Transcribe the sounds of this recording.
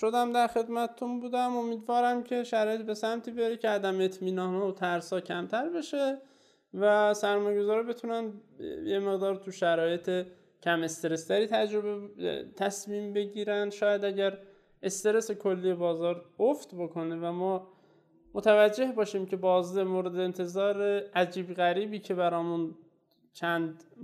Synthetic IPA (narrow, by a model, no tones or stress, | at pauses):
ʃod̪æmd̪æɾxe̞d̪mæt̪ʰet̪unbuːd̪æmo̞miːd̪vɒːɾæmcʰe̞ʃæɾɒːjebe̞sæmt̪ʰiːbeɾecʰeæd̪æmet̪ʰmiːnɒːnhɒːot̪ʰæɾsɒːcʰæmt̪ʰæɾbe̞ʃe | væsæɾmɒːjeɡo̞zɒːɾibe̞t̪ʰunænd̪jemeɣd̪ɒːɾt̪ʰuʃæɾɒːje̞t̪ʰe | cʰæme̞st̪e̞ɾe̞st̪ʰæɾiːt̪ʰæd͡ʒɾo̞bet̪ʰæsmiːmbe̞ɟiːɾænd̪ʃɒːjæd̪æɟæɾ | e̞st̪e̞ɾe̞sekʰo̞lːiːjebɒːzɒːɾofd̪bo̞kʰo̞nevæmɒː | mot̪ʰævæd͡ʒːe̞hbɒːʃiːmcʰe̞bɒːzd̪emoːɾe̞d̪eːnt̪ʰe̞zɒːɾeʔæd͡ʒiːbɣæɾiːbiːcʰe̞bæɾɒːmun | t͡ʃʰænd̪